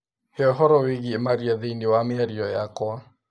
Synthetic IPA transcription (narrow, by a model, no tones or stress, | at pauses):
hɛɦɔɾɔweɣiemaɾiaðeniwamɪaɾiɔjakwɔa